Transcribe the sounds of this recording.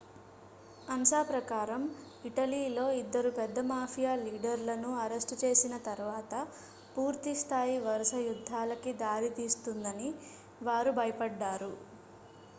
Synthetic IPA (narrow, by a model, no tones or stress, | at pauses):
ɐnʃaːpɾɐkaːɾɐm | iʈɐliːlo̞ːid̪ːɐɾupɛd̪ːɐmaːpʰijaːliːɖɐɾlɐnuɐɾesʈt͡ʃe̞ːsinɐt̪ɐɾʋaːt̪ɐ | puːɾt̪ist̪ʰaːjiʋɐɾuʃɐjud̪ʱːaːlɐkid̪aːɾit̪iːst̪und̪ɐni | ʋaːɾubʱɐjɐpɐɖːaːɾu